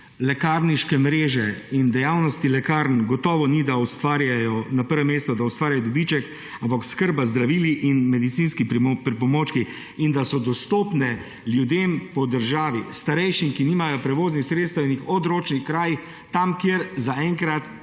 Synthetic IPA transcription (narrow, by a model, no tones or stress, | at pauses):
lɛkaɾniʃkɛmɾeːʒɛind̪ɛjaːwnɔst̪ilɛkaɾnɡɔt̪ɔːʋɔnid̪aust̪ʋaːɾjajɔnapəɾʋɛmeːst̪ɔd̪aust̪ʋaːɾjajɔd̪ɔbit͡ʃɛk | ampakskəɾbazd̪ɾaʋiːliʔinmɛd̪it̪siːnskipɾpɾɛpɔmoːt͡ʃki | ind̪asɔd̪ɔst̪oːpnɛ | ljud̪eːmpɔd̪əɾʒaːʋist̪aɾɛjʃimkiniːmajɔpɾɛʋoːznixsɾet̪st̪anixɔd̪ɾoːt͡ʃnixkɾaːjix | t̪amkjeɾzaɛŋkɾat̪